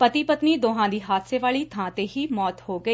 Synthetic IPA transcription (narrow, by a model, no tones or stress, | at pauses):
pət̪iːpət̪niːd̪oːɦãːd̪iːɦaːt̪ʰseːʋaːɭiːt̪ʰãːt̪eːɦiːmɔːt̪hoːɡəiː